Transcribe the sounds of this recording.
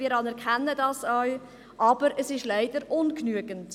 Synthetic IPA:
iːɾɑnɛɾkχɛnːədɑːsœɥ | ʔɑb̥əɾəsɪʃlæɪd̥əɾʔʊnknyəɡənt

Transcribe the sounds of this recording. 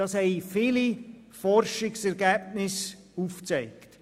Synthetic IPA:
ɑshɛɪfili | fɔrʃɪksɛɾɡæb̚nɪs | uft͡sɛɪkt

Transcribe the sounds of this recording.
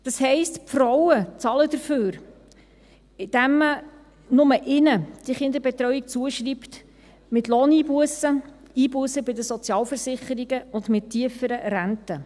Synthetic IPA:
d̥ɑshɛɪstpfrɔwət͡sɑlədəɾføːɾ | ɪd̥æmːə | nʊməʔɪnəd̥iχɪnd̪əɾbɛt̪ɾœɥik̚t͡suəʃript | mɪtloːniːbuəsə | iːbuəsəbɪdəsɔt͡sjɑːlfəɾsɪχəɾiɡəʊndmɪtʰiəfəɾəɾæntə

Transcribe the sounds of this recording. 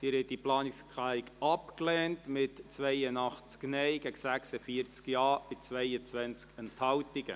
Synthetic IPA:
d̥ɪɾhɛt̚diplɑːnikskʰlæikɑpklɛːntmɪtt͡svʋeɪənɑχt͡sknɛɪɡ̥ɛksæksəfiəɾt͡skjɑːm̥ɪt͡svɛɪət͡sʋɛnt͡skənthɑwtiɡə̰

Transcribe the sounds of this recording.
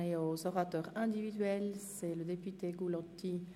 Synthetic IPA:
eozɔʁat̪œːʁɛ̃d̪ivid̪ɥɛlsɛləd̪epyt̪eɡulɔ̃t̪i

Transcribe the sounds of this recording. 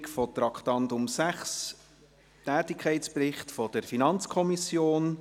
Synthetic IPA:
kfɔt̪ɾɑkχt̪ɑnt̪ʊmsæχs | tæːtɪkʰɛɪtspɾɪχtfɔd̥əɾfinɑnt͡skʰɔmisjoːn

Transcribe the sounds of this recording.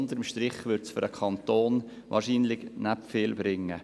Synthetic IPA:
ndəɾəmʃtɾɪχʋʏɾtsfʏɾəkʰɑnt̪oːn | ʋɑ̰ːɾʃiːnlɪɡnæpfɪːlbɾɪŋːə

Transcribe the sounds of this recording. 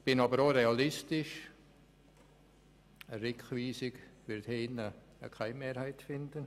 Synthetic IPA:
b̥ɪnɑbəɾoɾeɑlɪstɪʃ | əɾɪkχʋiːsɪɡʋɪɾtheɪnə | ə̰kʰaɪmeːɾhaɪtfɪndən

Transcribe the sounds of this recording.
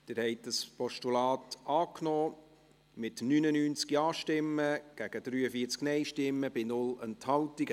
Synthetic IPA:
d̥ɪɾhɛɪt̚d̥əspɔʃtulɑːtɑːknɔː | mɪtnynənyːnt͡skiɑːʃtɪmːəɡ̥æɡ̥əd̥ɾyːəfiːəɾt͡sknɛɪʃtɪmːəb̥ɪnʊlənthɑltiɡ

